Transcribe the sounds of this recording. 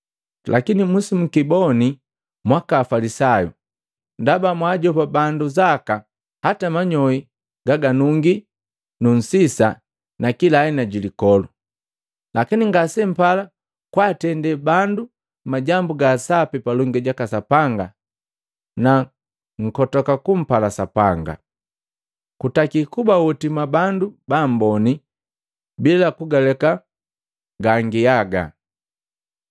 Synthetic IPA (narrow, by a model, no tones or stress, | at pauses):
lakinimusimukibɔni | mwakaːfalisajṵ | ndabamwaːɟɔpabanduzaka | hatamaɲɔi | ɡ̥aɡanuŋɡi | nun̩sisa̰ | nakilaɛnaɟilikɔlu | lakiniŋɡasɛm̩pala | kwaːtɛndɛbandu | maɟambuɡasapipalɔŋɡɛɟakasapaŋɡa | na | ŋ̩kɔtɔkakum̩palasapaŋɡa̰ | kutakikubawutimabandubam̩bɔni | bilakuɡalɛka | ɡaŋɡiaɡa̰